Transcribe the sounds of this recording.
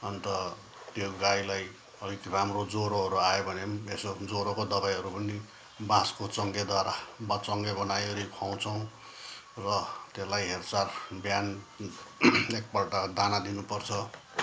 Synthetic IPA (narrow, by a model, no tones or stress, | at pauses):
ʌnt̪ʌ | t̪joɡajlaj | ʌlikramrod͡zoɾoɦʌɾuajobʱʌneesod͡zoɾokod̪ʌbajɦʌɾupʌni | bãskot͡sʌŋɡed̪waɾabʌt͡sʌŋɡebʌnajʌɾikʰaw̃t͡sʰʌw̃ | rʌt̪elajɦert͡sarbjan | ek̚pʌʈad̪anad̪inupʌrt͡sʰʌ